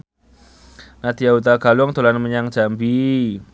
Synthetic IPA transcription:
nat̪ijaut̪aɡ̥alʊŋt̪o̤lanməɲaŋ̥d͡ʒ̥ambi

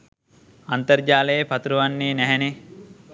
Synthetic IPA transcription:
ɐnt̪ɐɾd͡ʒaːlɐjepɐt̪ɾuʋɐnːiːnɛɦɛne

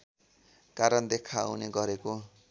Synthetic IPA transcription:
kaɾʌnd̪ekʰawneɡʌɾeko

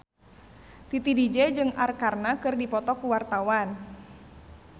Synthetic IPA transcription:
t̪it̪idid͡ʒɛd͡ʒɨŋarkarnakɨrdipɔt̪ɔkuwart̪awan

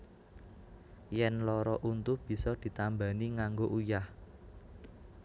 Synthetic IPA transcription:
jɛnlɔɾɔʔunt̪ub̥i̤sɔd̪̥i̤t̪ambaniŋaŋɡoʔujah

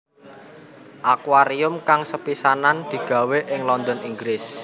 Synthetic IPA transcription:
ʔakwaɾiʊmkaŋsəpisanand̪̥i̤ɡ̥ä̤weʔɪŋlɔnd̪ɔniŋɡɾɪs

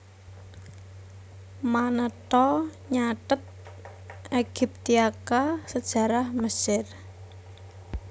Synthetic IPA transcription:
manət̪ɔɲaʈət̪̚ | ʔeɡ̥ip̚t̪iakasəd̥ʒ̥a̤ɾahməsɪr

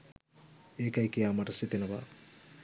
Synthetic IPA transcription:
eːkɐjkijaːmɐʈɐsit̪enɐʋa̰

